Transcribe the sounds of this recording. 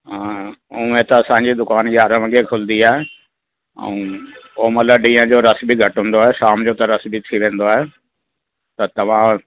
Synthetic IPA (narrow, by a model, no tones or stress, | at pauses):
ɦãːũːẽt̪ɐɐsãɲd͡ʑid̪ʊkaːnjaːɾəʋə̃ɡekʰʊlnd̪iaːɦe | ɛ̰̃oomɐt̪ləbɖĩːə̃d͡ʑoːɾɐsbiɡʱɐʈɦʊ̃ːnd̪oaːɦeʃaːmd͡ʑoːt̪ɐɾɐsbit̪ʰiʋẽːn̆d̪oaːɦe | t̪ɐt̪ɐʋ̤ã